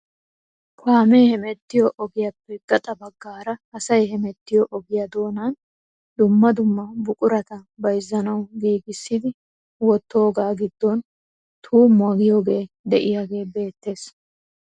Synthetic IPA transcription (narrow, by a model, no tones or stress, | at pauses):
kʰaːmeːhɛmɛt̪ːɪjɔʔɔɡɪjɐpːɛɡɐt̪ʼɐbɐɡːaːɾɐɐsɐjhɛmɛt̪ːɪjɔʔɔɡɪjɐd̪o̞ːnan | d̪ʊmːɐd̪ʊmːɐbʊkʼʊɾɐt̪ɐbɐjzːɐnɐwɡiːɡɪsːɪd̪ɪ | wɔt̪ːo̞ːɡaːɡɪd̪ːɔn | t̪ʰuːmʊɐɡɪjo̞ːɡe̞ː | d̪ɛʔɪjaɡe̞ːbe̞ːt̪ːe̞ːs